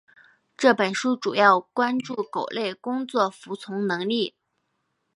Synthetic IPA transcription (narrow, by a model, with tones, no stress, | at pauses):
ʈ͡ʂɤ˥˩pə˨˩nʂu˥ʈ͡ʂu˨˩jɑ˥˩ʊkwa˥nʈ͡ʂu˥˩ko˨˩ʊle˥˩ɪkʊ˥ŋt͡swɔ˥˩fu˧˥t͡sʰʊ˧˥ŋnɤ˧˥ŋli˥˩